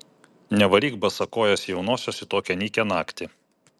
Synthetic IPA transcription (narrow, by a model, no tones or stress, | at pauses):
nʲɛʋɐlʲiːɡbɐsɐkoːjɛsʲjɛʊnoːsʲoːsʲɪt̪oːkʲɛnʲiːkʲɛnɑːkt̪ʲɪ